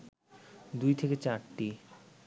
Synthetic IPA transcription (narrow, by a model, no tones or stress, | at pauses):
d̪ujt̪ʰeket͡ɕaɾʈi